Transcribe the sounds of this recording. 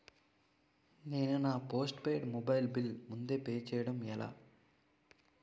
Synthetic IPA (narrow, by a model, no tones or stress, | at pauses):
ne̞ːnunaːpo̞ːsʈpeːɖmɔbɐjlbilmund̪e̞ːpeːt͡ʃɛːjɐɽɐmɛla̰ː